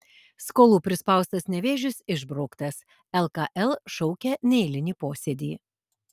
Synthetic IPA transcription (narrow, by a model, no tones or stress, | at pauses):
skoːlˠuːpʲɾʲɪspɐˑʊst̪ɐsnʲɛʋʲeːʒʲʊsɪʒbɾɒʊkt̪ɐs | ɛlˠkɐʔɛlˠʃɔʊkʲɛnʲɛɪlʲɪnʲiːpoːsʲɛd̪ʲiː